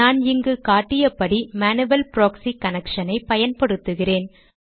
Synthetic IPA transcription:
aːnɪŋɡɯkaːʈːɪjɐpɐɽimaːnɯʋɐlpɾoːksikɐnɐkʂɐnɐɪpɐjɐnpɐɽɯt̪ːɯɣɪreːn

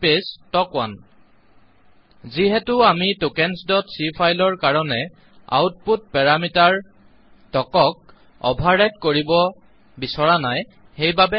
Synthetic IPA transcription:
pestɔkwa̰n | ziɦɛtʊamitokɛnsdɔtsipʰajlɔɹkaɹɔnɛ | a̰wt̚put̚pɛɹamitaɹ | tɔkɔk̚ | ɔ̰bʱaɹɛtkoɹibɔ | bisɔɹanaj | xejbabɛ

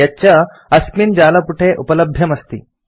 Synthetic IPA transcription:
at͡ɕja | əsmiːnd͡ʑaləpuʈʰeʔupələb̚b̪ʱjəməst̪ḭː

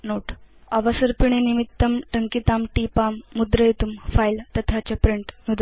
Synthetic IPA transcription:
noʈəʋasəɾpiɳ̃enimit̪ːəmʈəŋkit̪amʈipamːud̪ɾəjt̪umfajlt̪ət̪ʰat͡ɕapɾiɳʈnud̪ʱa

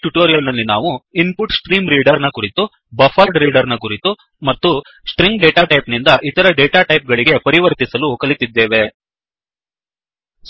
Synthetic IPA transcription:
ʈuʈoːɾijɐlnɐlːinaːʋuinpuʈsʈɾiːmɾiːɖɐɾnɐkuɾit̪u | bɐfʰɐlɖɾiːɖɐɾnɐkuɾit̪u | mɐt̪ːu | sʈɾiŋɡɖeːʈaːʈɐjpnind̪ɐʔit̪ɐɾɐɖeːʈaːʈɐjp̚ɡɐɭiɡe̞pɐɾiʋɐɾt̪isɐlukɐlit̪id̪ːe̞ːʋe̞

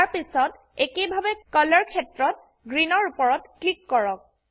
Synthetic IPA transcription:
ɹpisɔt | ekebʱabɛkɔlɔɹkʰɛtɹɔt̚ | ɡɹinɔɹupɔɹɔtklikːɔɹɔk̚

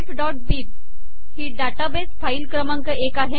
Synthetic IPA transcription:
fɖɔʈ̚biːb̚ | hiɖaʈabesfailkɾəmãŋkəʔekaɦe

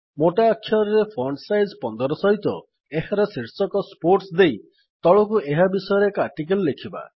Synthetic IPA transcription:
moʈaːkʰːjɔɾɾepʰɔɳsajzpɔnd̪ɔɾɔsɔɦit̪ɔ | eɦaɾɔsiɾsɔkɔspoɾʈsd̪ej | t̪ɔɭɔkuʔeɦabisɔjɔɾekɔaɾʈikelɔːekʰiba̰

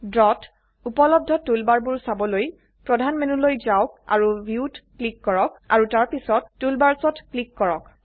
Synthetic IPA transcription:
dɹɔt | upɔlɔb̚dʱɔtulbaɹbuɹsabɔloj | pɹɔdʱanmenulojzaʊk̚a̰ɹubjiuutklikːɔɹɔk̚a̰ɹutaɹpisɔtːulbaɹsɔtklikːɔɹɔk

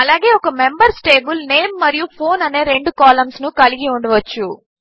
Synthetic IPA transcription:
ɐlaːɡe̞ːɔkɐmembɐɾsʈe̞ːbilne̞ːmːɐɾijupʰo̞ːnɐne̞ːɾe̞ɳɖukaːlɐmsnukɐɭiɡiuɳɖɐʋɐt͡ʃːu

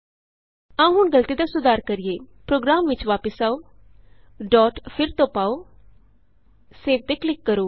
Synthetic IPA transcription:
ãũɦʊɳɡəlt̪iːd̪aːsʊd̪aːɾkəɾijeːpɾoːɡɾaːmʋɪt͡ʃʋaːpəsaːoː | ɖɔːʈpʰɪɾt̪õːpaːoː | seːʋ̚t̪eːklɪkːəɾoː

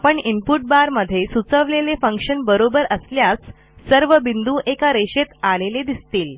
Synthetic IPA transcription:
apəɳimpuʈ̚baɾməd̪ʱːjesut͡səʋlelefəŋkʂənbəɾobəɾəsljat͡s | səɾʋəbind̪ũʔekaɾeɕet̪aleled̪ist̪iːl

